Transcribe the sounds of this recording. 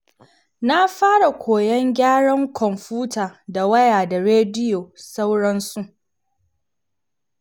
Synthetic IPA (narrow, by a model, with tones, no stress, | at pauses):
na˦ɸaː˦ɽa˨kʷoː˨jɛ˦ŋɡʲaː˦ɽɐ˦ŋkʰʷɔ˨mɸuː˦taː˨da˨wɐ˦jaː˨da˨ɽeː˦dɪ˦joː˨sa˦wɽɐ˦nsu˦ʔ